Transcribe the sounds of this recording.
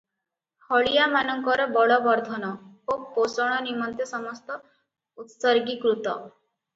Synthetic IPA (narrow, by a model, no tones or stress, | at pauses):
hɔɭijamanɔŋkɔɾɔbɔɭɔbɔɾd̪ʱɔnɔoposɔɽ̃ɔnimɔnt̪jesɔmɔst̪ɔ | ut̪sɔɾɡikɾut̪ɔ̰